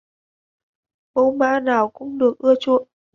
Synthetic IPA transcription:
ɓo˧˦ma̰ː˧˥naː˨˩wkʊ̰˧˥ŋ͡mɗɨ˨˩ək̚ʔɨ˧ət͡ɕṵ˧˨ən

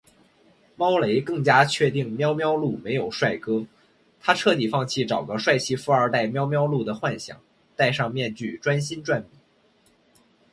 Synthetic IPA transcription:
mɑ˥ʊle˧˥ɪkɤ˥˩ŋt͡ɕja˥t͡ɕʰɥɛ˥˧t̪i˥˩ŋmjɑ˥ʊmjɑ˥ʊlu˥˩me˧˥ɪjo˨˩ʊʂwa˥˩ɪkɤ˥ | t̪ʰa˥ʈ͡ʂʰɤ˥˩t̪i˨˩fɑ˥˧ŋt͡ɕʰi˥˩ʈ͡ʂɑ˨˩ʊɡə˧˥ʂwa˥˧ɪt͡ɕʰi˥˩fu˧˥ə˞˧˥t̪a˥˩ɪmjɑ˥ʊmjɑ˥ʊlu˥˩d̪ə˩xwa˥˩nɕjɑ̰˨˩˦ŋ | t̪a˥˧ɪʂɑ˥˧ŋmjɛ˥˧nt͡ɕy˥˩ʈ͡ʂwa˥nɕi˥nʈ͡ʂwa˥˩npi˨˩˦

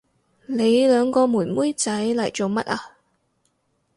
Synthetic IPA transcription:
le˨˧jlœː˨˧ŋkɔː˧muː˨˩nmuː˥jt͡sɐ˨˥jlɐ˨˩jt͡so˨wmɐ̰˥t̚ʔaː˧

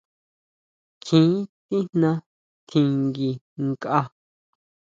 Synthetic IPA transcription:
kʰĩː˨˦t̪i˦n̥nã˧ | k̪ʰĩ˧ŋɡi˧ | ŋ˨ka˧

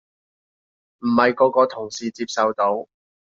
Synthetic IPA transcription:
m̩˨˩hɐ˨jkɔː˨˥kɔː˧t̪ʰʊ˨˩ŋsiː˨t͡siː˧p̚sɐ˨wt̪o˨˥w

